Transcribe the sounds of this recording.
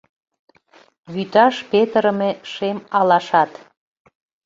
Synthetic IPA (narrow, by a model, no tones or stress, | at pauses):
βyt̪ɑʃpet̪əɾəmeʃemɑlɑʃɑt̪